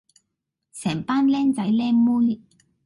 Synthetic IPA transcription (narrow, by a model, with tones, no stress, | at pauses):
sɛː˨˩ŋpaː˥nlɛː˥ŋt͡sɐ˨˥jlɛː˥muː˥j